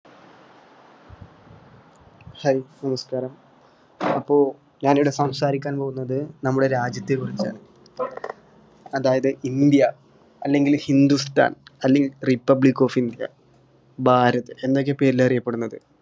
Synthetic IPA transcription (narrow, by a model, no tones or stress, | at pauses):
hɐinɐmɐskaːɾɐm | ɐpːo̞ː | ɲaːnijɽesɐmsaːɾikʲːaːnpo̞ːɣunːɐðɨnɐmːuɽe̞ɾaːd͡ʑjɐt̪ːekːurit͡ɕːa̰ːɳɨ | ɐðaːjɐðɨind̪jɐ | ɐlːe̞ŋɡilhind̪ust̪a̰ːnɐlːeŋɡilripːɐbɭikːo̞ːfind̪jɐ̰ | bʱaːɾɐt̪ːɨend̪o̞k̬ːe̞pe̞ːɾilɐrijɐpːe̞ɽunːɐðɨ